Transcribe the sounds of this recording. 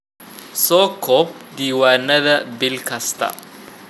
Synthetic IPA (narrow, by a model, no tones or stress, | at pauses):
sɔːkʰɔd̪iːwaːnɐðɐbɪlkʰɐst̪ʰɐ̰